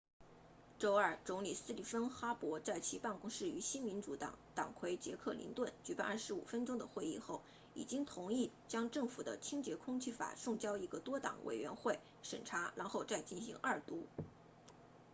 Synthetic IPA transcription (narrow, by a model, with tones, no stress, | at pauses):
ʈ͡ʂo˥ʊə˞˥˩ʈ͡ʂʊ˧˥ŋli˨˩sɹ̩˥˧li˥˩fə˥nxa˥pwɔ˧˥t͡sa˥˩ɪt͡ɕʰi˧˥pa˥˩nkʊ˥ŋʂɻ̩˥˩y˧˥ɕi˥nmi˧˥nʈ͡ʂu˧˥t̪ɑ̰˨˩˥ŋt̪ɑ˨˩ŋkʰwe˧˥ɪt͡ɕjɛ̰˧˥kʰɤ˥˩lḭ˧˥nt̪wə˥˩nt͡ɕy˧˥pa˥˧nɐ˞˥˩ʂɻ̩˧˥ṵ˨˩fə˥nʈ͡ʂʊ˥ŋd̪ə˨xwe˥˧ɪi˥˧xo˥˩ʊ | ḭ˨˩t͡ɕi˥ŋt̪ʰʊ˧˥ŋi˥˩t͡ɕjɑ˥ŋʈ͡ʂɤ˥˩ŋfu˨˩d̪ə˦t͡ɕʰi˥ŋt͡ɕjɛ˧˥kʰʊ˥ŋt͡ɕʰy˥˩fa̰˨˩ʂʊ˥˧ŋt͡ɕjɑ˥ʊi˧˥ɡə˧t̪wɔ˥t̪ɑ̰˨˩ŋwʔḛ˨˩ɪɥɛ̰˧˥nxwe˥˩ɪ | ʂə̰˨˩nʈ͡ʂʰa˧˥la˧˥nxo˥˧ʊt͡sa˥˧ɪt͡ɕi˥˩nɕḭ˧˥ŋʔɐ˞˥˩t̪u˧˥